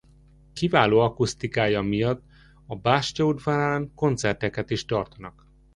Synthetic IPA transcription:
kivaːloːɒkust̪ikaːjɒmijɒt̪ː | ɒbaːʃcoud̪vaɾaːŋko̞nt̪sɛrt̪ɛkɛt̪iʃt̪ɒrt̪ɒnɒk

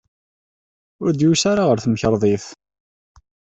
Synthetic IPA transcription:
ʊɾd̪jusaɾaʁəɾθəməçəɾˤðˤiθ

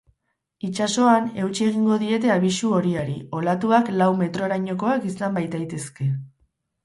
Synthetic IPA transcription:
it͡ʃaso̞ane̞wt͡ʃie̞ɣ̞iŋɡo̞ðie̞t̪e̞aβ̞isuo̞ɾiaɾḭo̞lat̪uaklawme̞t̪ɾo̞ɾaɲo̞ko̞akisambajt̪ajt̪e̞ske̞

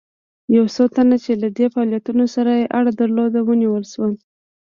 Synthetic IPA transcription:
jawsot̪anat͡ʃelad̪efɑljat̪unosaɾajeʔaɽad̪aɾlod̪awəniwəlʃwa

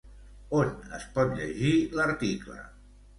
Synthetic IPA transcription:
onə̰spɔt̪ʎə̰ʒiləɾt̪iklə̰

